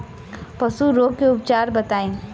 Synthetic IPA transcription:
pəsuɾoɡ̚keʊpt͡ʃaɾbət̪aːĩ

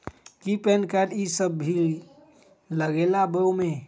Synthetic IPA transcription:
kipɛnkaɖisəbʱːi | ləɡelabəmẽ

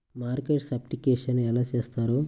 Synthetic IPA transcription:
maːɾkeʈsɐpʈikeːʂɐnɛlaːt͡ʃeːst̪aːɾoː

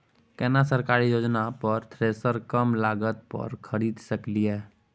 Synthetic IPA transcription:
kɛːnas̬əɾkaːɾijoːd͡ʒnapəɾt̪ʰɾeːsəɾkəmlaːɡət̪̚pə̰ɾkʰəɾiːd̪səkliɦɛː

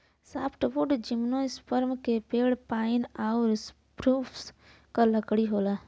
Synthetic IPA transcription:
saːpʰʈbʊɖd͡ʒɪmnõɪspəɾmkepeːɽpaːɪnaːʊɾs | pɾuːpʰs | kələkɽiɦoːlaː

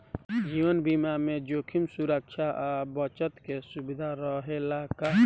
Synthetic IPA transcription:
d͡ʒiːʋənbimamẽd͡ʒoːkʰimsuɾəkʃʰaʔabət͡ʃət̪kesubɪd̪ʱaɾɔɦelaːka

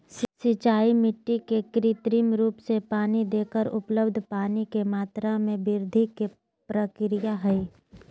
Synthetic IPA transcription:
sɪt͡ʃaːimɪʈːikekɾit̪ɾiːmɾuːpsepaːnid̪eːkəɾʊ̰pləbd̪ʱpaːnikemaːt̪ɾamẽbɪɾd̪ʱike | pɾəkɾɪjaɦɛi

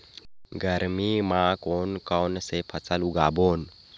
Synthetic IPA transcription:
ɡəɾmimãkonkɔnsepʰət͡saluɡabon

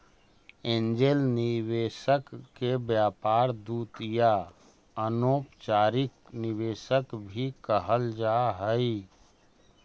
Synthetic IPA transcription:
ẽːnd͡ʒelnɪweːʃəkːebjaːpaːɾd̪uːt̪ja | ənoːpt͡ʃaːɾɪk | nɪweːʃəkbʱikəɦəld͡ʒaɦəi

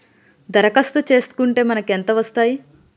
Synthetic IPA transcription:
d̪ɐɾɐkɐst̪ut͡ʃe̞ːst̪u̥kuɳʈe̞ːmɐnɐkent̪ɐʋɐst̪aːji

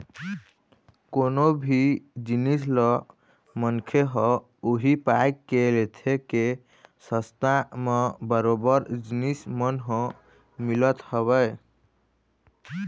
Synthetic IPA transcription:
konobʱid͡ʒinis̬lɔ | mənkʰeɦɔ̃ | oɦipaekːelet̪ʰeke | səst̪amebəɾobəɾd͡ʒinismənɦɔ̃ | milət̪hɔβəj

